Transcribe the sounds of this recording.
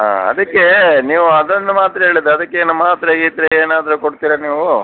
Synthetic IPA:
a̰ɐ̰d̪ɐkːe̞niːʋuɐd̪ond̪umaːt̪ɐeːɭid̪ːɐd̪ɐkːenɐmaːt̪ɾɐɡiːt̪ɾeeːnaːd̪ɐɾukoɽt̪iːɾɐniːʋu

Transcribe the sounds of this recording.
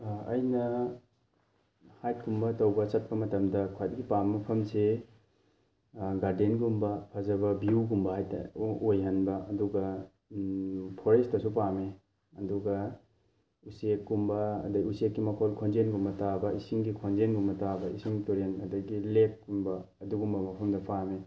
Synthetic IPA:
ɐjnɐ | hajt̚kumbɐtɐwbɐt͡ʃɐt̚pɐmɐtɐmdɐkʰajdɡipamːɐpʰɐmse | ɡaɾdenɡumbɐpʰazɐbɐbiuɡumbɐhajta̰ojɦɐnbɐɐduɡɐ | pʰoɾestɐsupame | ɐduɡɐ | usekːumbɐ̰ːdɐɡiusek̚ɡimɐkʰɔlkʰonzenɡumbɐtabɐisiŋɡikʰonzenɡumbɐtabɐisiŋtoɾenɐdɐɡilekɡumbɐɐduɡumbɐmɐpʰɐmdɐpʰame

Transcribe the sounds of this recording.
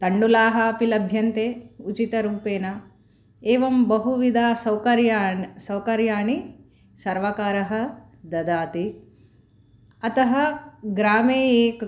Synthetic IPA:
t̪ɐɳɖulaːɦɐɐpilɐbʱjɐnt̪eːut͡ʃit̪ɐɾuːpeːnɐ | eːʋɐmbɐɦuʋid̪aːsɐwkɐɾjaːsɐwkɐɾjaːɳi | sɐɾʋɐkaːɾɐɦɐ̆ | d̪ɐd̪aːt̪i | ɐt̪ɐɦɐɡɾaːmeːeːk

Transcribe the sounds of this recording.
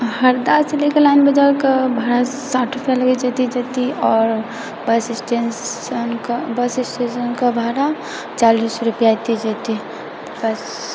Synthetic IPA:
həɾd̪aselikelaɪnbəd͡ʒaɾkabʱaɾasaʈʰɾupjaləɡɛd͡ʒət̪id͡ʒət̪iɔːɾ | bəsisʈenənkbəsɪsʈesənkabʱaɾa | t͡ʃalisɾupjat̪id͡ʒət̪i | bəs

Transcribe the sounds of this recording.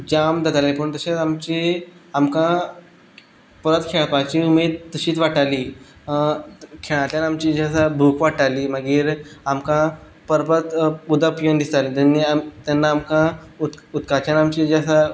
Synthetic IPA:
d͡ʑamd̪əɡalipəɳt̪əɕat͡samt͡ɕiamkã | pəɾət̪kʰeɭpat͡ɕiumed̪̚t̪əɕiːt͡sʋaʈaliː | kʰeɭ̃at̪janamt͡ɕid͡ʑasabʱukʋaʈaliːməɡiːɾamkã | pəɾpət̪ud̪apjənd̪ist̪alit̪anːiamt̪anːaːmkãuut̪kat͡ɕjanamt͡ɕid͡ʑasa

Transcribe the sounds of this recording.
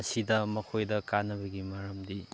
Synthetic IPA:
ɐsidɐmɐkʰojdɐkanːɐbɐɡimɐɾɐmdi

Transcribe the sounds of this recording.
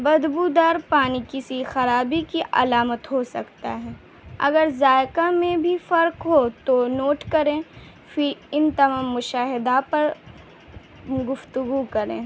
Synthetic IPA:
bɐd̪bud̪aːɾpaːnikɪsixɐɾaːbikiʔɐ̰laːmət̪ɦosɐkt̪a̰ɦɛː | ɐ̰ɡəɾzaːjkamẽbʱifɐɾkɦot̪onoːʈkɐɾẽː | fɪɾɪnt̪ɐmaːmːʊʃaːɦɪd̪apɐɾ | ɡʊft̪ʊɡukɐɾḛ̃ː

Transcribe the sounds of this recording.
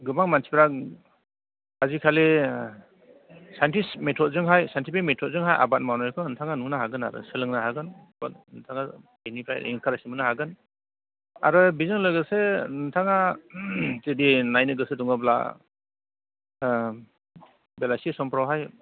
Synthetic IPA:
ɡɯbaŋmansʰipɾak̚ | hazikʰale | sajntismetʰɔt̚zɯŋɦajsajntʰipʰiajmetʰɔt̚zɯŋɦaja̰bat̚mawnɔjkʰɯɯntʰaŋanunaɦaɡɯna̰ɾɯ̰sɯlɯŋnaɦaɡɯnbatnɯtʰaŋabenipʰajḭŋkʰaɾasimɯnaɦaɡɯn | a̰ɾɯbizɯŋlɔjɡɯsenɯntʰaŋa | tedinajnɯɡɯsɯduŋɯbla̰ | belasisɔmpɾawɦaj

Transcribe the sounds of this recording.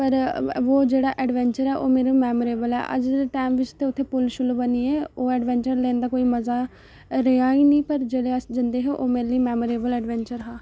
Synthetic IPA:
pəɾʋoːd͡ʒeːɽaːʔɛːɖʋɛ̃ːɲt͡ʃəɾɛːʔoːmeːɾoːmɛːməɾeːbəlɛ̰ːʔə̰d͡ʒʈaːmʋɪt͡ʃt̪eːʊt̪ʰːeːpʊlʃʊlːbəniːeːoːɛːɖʋɛ̃ːɲt͡ʃəɾlẽːnd̪aːkoːiːməzaː | ɾeãːiːniːpəɾd͡ʒeːleːəsd͡ʒɪnd̪eːɦeːʔoːmeːɾliːmɛːməɾeːbəlɛːɖʋɛ̃ːɲt͡ʃəɾɦaː

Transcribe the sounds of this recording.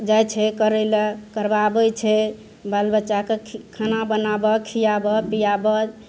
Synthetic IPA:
d͡ʒajt͡ʃʰɛkəɾɛlekəɾbabət͡ʃʰɛ | balbət͡ʃakekʰanabənabɔkʰijabɔpijabɔ

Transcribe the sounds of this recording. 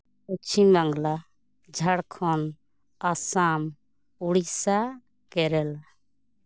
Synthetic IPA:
ut͡ʃʰimə̃ŋɡla | d͡ʒʱaɽkʰɔn | asaːm | uɽisa | kɛɾɛl

